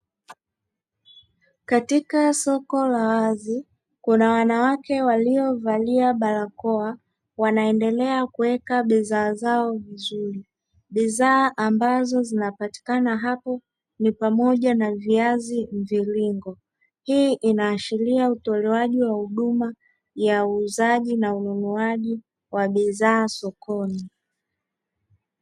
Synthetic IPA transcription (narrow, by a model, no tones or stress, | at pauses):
katikasɔkɔlawazi | kunawanawakɛwaliɔvaliaɓalakɔa | wanaɛndɛlɛakuwɛkaɓizaːzaɔvizuɾi | ɓizaːʔambazɔzinapati̥kanaɦapɔ | nipamɔʄanaviazim̩viliŋɡɔ | hiʔinaːʃiliautɔlɛwaʄiwahuɗuma | jauːzaʄinaununuaʄi | waɓizaːsɔkɔni